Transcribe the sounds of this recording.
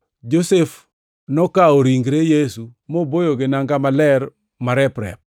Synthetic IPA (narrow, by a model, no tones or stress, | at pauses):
d͡ʒosef | nɔkaoɾiŋɡɾejesumobojoɡenaŋɡamalɛɾ | maɾɛpɾɛ̰p̚